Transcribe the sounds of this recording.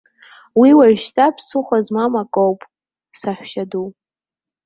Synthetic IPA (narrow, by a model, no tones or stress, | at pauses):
wiwarʃtʰʼapʰsɨχʷazmamakʼowpʼ | saħʷᶣʃadu